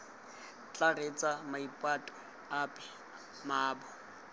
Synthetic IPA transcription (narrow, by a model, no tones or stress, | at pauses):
t͡ɬʼaret͡sʼamaipʼwatʼɔ | apʼɛ | maːbɔ